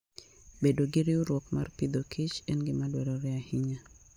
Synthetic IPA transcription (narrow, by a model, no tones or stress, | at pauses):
bedoɡɪɾɪuɾwɔkmarpid̪okʰɪt͡ʃɛnɡɪmadwɛɾɔɾɛahɪɲa